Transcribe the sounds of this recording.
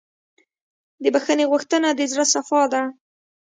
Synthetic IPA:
d̪əbaxəneɣuxt̪ənad̪əzɽasafɑd̪a

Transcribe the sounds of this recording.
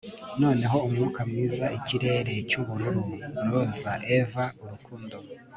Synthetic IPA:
no̞ːne̞ɦo̞umŋuːkamŋiːzaʔiciɾe̞ːɾe̞cuβuɾuɾuɾozaʔevauɾukʰuːndo

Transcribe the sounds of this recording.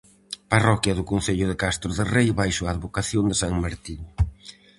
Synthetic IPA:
parɔkjɐðʊkonθeʎʊðekast̪ɾʊðɪrejβajʃʊaːðβokaθjond̪ɪsaŋmaɾt̪in

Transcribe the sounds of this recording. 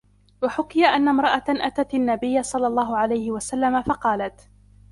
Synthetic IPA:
waħʊkɪjaʔanːamɾˤɑʔaʔat̪at̪anːabɪjːasˤɑlːɑlˤːɑːhʊʕalajhɪwasalːamafɑqɑːlat̪

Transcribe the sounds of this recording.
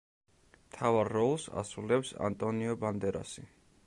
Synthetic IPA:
mt̪ʰavaɾːɔlˠsa̰sulɛpsa̰nt̪ʼɔniɔband̪ɛɾa̰si

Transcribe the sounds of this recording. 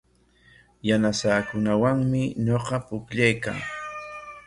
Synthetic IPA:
janasaːkʊnawaŋmɪɲoqɑpʊkʎajka̰ŋ

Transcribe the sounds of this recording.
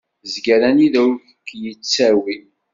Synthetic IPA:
zɡəɾæniðæfəkːjət͡sːæwi

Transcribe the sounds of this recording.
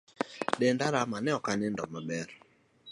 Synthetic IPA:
dɛndaɾamanɛɔkanɪndɔmabɛɾ

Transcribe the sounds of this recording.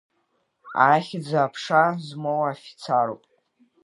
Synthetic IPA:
a̰χʲɪd͡zaːpʰʂazmowafi̥t͡sʰaɾo̰pʼ

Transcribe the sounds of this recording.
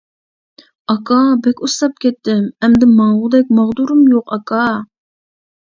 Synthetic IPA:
ɑkʰɑbɛkʲusˠɑp̚kʲɛt̪ːɪmɛmd̪ɪmɑŋʁʊd̪ɛk̚ʲmɑʁd̪uɾɨmjoqɑkʰɑ

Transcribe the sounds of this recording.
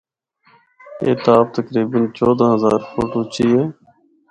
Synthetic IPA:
ḛːt̪aːp̚t̪əkɾiːbənt͡ʃɔːd̪ãːɦəzaːɾfoːʈoːt͡ʃiːɦeː

